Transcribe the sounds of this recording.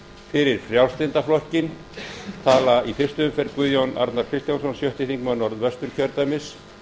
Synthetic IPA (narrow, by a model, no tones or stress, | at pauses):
fɪɾɪɾ̥fɾjawlst̪ɪnt̪aflɔhcɪn | t̪ʰaːlaifɪr̥st̪ʏʏmfɛɾkvʏðjowna̰ɾt̪naɾ̥kʰɾɪst̪jansɔnsjœht̪ɪθiŋkmœnɔɾðvɛst̪ʏɾ̥cʰœɾt̪amɪs